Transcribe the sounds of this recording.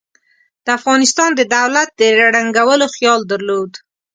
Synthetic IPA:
d̪̥əafɣɑnɪst̪ɑnd̪əd̪awlat̪̚d̪əɾaɽaŋɡawəloxjɑld̪əɾlod̪

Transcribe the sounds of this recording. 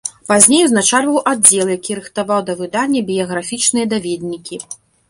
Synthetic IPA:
pazʲnʲejuznat͡ʂalʲvɐwʔadʲd͡zʲɛlˠjakʲiɾɨxt̪avawd̪ɐvɨd̪anʲːɐbʲijɐɣɾafʲit͡ʂnɨjɐd̪avʲed̪ʲnʲikʲi

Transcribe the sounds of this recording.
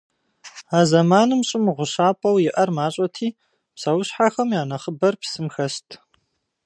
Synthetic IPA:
aːzɐmaːnɨmɕʼɪmʁʷʊɕaːpʼɐwjɪʔɐrmaːɕʼɐtʰiː | psɐwʊɕħaxɐmjaːnɐχəbɐrpsɨmxɐstʰ

